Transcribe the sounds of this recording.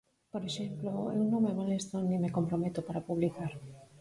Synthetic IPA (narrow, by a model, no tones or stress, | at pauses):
poɾeʃemploḛunõmemalest̪onːimekompɾomet̪opaɾapuβlikaɾ